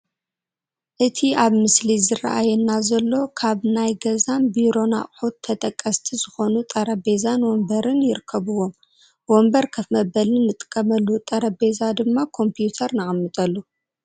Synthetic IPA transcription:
ʔɨt̪ʰiaβmɨslizɨra̰ʔajɛnːazɐlːo̞kʰaβnajɡɐzanbiɾo̞na̰χʼħut̪ʰːɐt̪ʼɐkʼːɐst̪ʰizɨxo̞nut̪ʼɐɾɐbe̞zanwombɐɾɨnjɪɾɨkʰːɐβɨwo̞m | wombɐɾkʰɐfmɐbɐlɨnːɨt̪ʼɨ̥kʼːɐmɐlːut̪ʼɐɾɐbe̞zad̪ɨmːakʰo̞mpijut̪ʰɐɾnɨxʼɐmːɨt̪ʼɐlːu

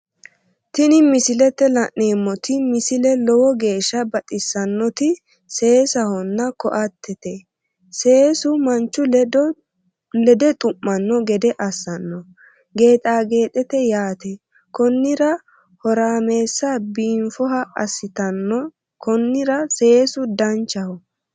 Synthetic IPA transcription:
t̪ɪnɪmɪsɪlɛt̪ːɛlɐʔne̞ːmːɔt̪ɪmɪsɪlɛlɔwɔɡe̞ːʃːɐbɐt̪ʼɪsːɐnːɔt̪ɪ | se̞ːsɐhɔnːɐkɔ̰ʔɐt̪ːɛt̪ɛ | seːsʊmɐnt͡ʃːʊ | lɛd̪ɛt̪ʼʊʔːɐnːɔɡɛd̪ɛʔɐsːɐnːɔ | ɡe̞ːt̪ʼaːɡe̞ːt̪ʼɛt̪ɛjaːt̪ɛ | kɔnːɪɾɐ | hɔɾaːme̞ːsːɐbiːɱfɔɦɐɐ̰sːɪt̪ɐnːɔ | kʰɔnːɪɾɐse̞ːsʊd̪ɐnt͡ʃːɐhɔ

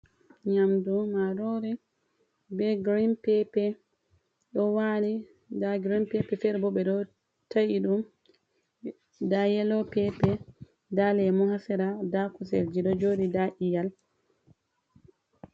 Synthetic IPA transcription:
ɲamdumaɾɔɾi | bɛɡɾinpɛpɛ | ɗɔwali | daɡɾimpɛpɛfɛɾbɔɓɛɗɔ | tajiɗum | dajɛlɔpɛpɛ | dalɛmɔhasɛɾadakusɛ̰ld͡ʒiɗɔd͡ʒodidaʔijal

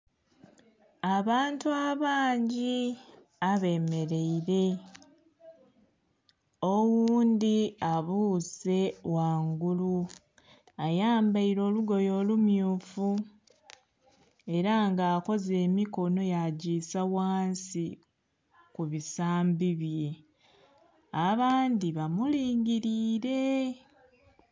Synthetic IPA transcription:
aβaːntuaβaːɲɟi | aβe̞ːme̞ɾe̞iɾe̞ | owuːndiaβuːse̞waːŋɡulu | ajaːmbaiɾo̞ːluɡo̞jo̞ːlumjuːfu | e̞ɾaŋɡaːko̞ze̞ːmiko̞no̞jaɟiːsawaːnsi | kuβisaːmbiβje̞ | aβaːnd̪iβamuliːɲɟiɾiːɾe̞

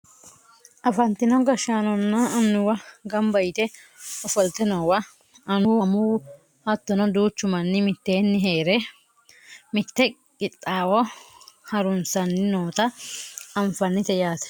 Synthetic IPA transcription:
ʔɐfɐnt̪ɪnɔɡɐʃaːnɔnːɐɐnːʊwɐɡɐmbɐjt̪ɛ | ɔfɔlt̪ɛnɐwɐ | ɐnʊɐmuː | hɐt̪ːɔnɐd̪uːt͡ʃːʊmɐnːɪmɪt̪ːeːnːɪɦeːɾɛ | mɪt̪ːɛ | kʼɪt̪ʼːaːwɔhɐɾʊnsɐnːɪnoːt̪ɐɐɱfɐnːɪt̪ɛjaːt̪ɛ̥

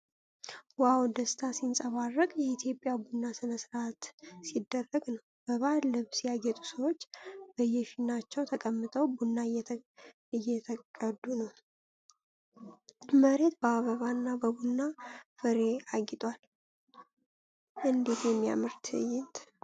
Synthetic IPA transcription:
wawd̪əst̪ʰasinsʼəβarːəkʼjɛit̪ʰjo̞pʼjabunːasɨnəsɨɾat̪sid̪ːərːəɡnəwb̥əβaɾlɨβsjaɡɛt̪ʼu̥səwot͡ʃːb̥əjɛfinːat͡ʃːɛwt̪ʰəkʼəmːɨt̪ʼəwbunːajɛt̪ʰ | ɨjːɛt̪ʰəkʼəd̪unəw | məɾe̞t̪̚bəaβəβanːabəbunːafɨɾe̞aɡɪt̪ʼwal | ʔɨnd̪et̪jɛmːija̰mɨɾt̪ʰɨjɪnt̪

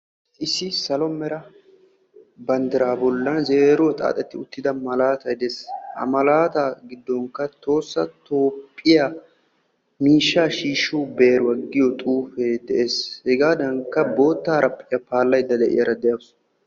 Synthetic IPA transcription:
ɪsːɪsɐlɔmɛɾɐ | bɐnd̪ɪɾaːbɔlːɐnzeːɾʊwɐt̪ʼa̰ːt̪ʼɛt̪ːɪʊt̪ːɪd̪ɐmɐlaːt̪ɐjd̪eːshɐ̰mɐlaːt̪aɡɪd̪ːɔŋkːɐt̪o̞ːsːɐt̪o̞ːpʼːɪja | miːʃːaːʃiːʃːuːbe̞ːɾʊɐɡːɪjɔt̪ʼuːfeːd̪ɛʔeːshɛɡaːd̪ɐŋkːɐbo̞ːt̪ːaːɾʔɐpʼːɪjɐpaːlːɐjd̪ːɐd̪ɛʔɪ̰jɐɾɐd̪ɛjɐs

